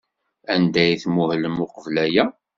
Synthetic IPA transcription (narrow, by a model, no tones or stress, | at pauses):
ænd̪æjθmuhləmʊqəvlæjæ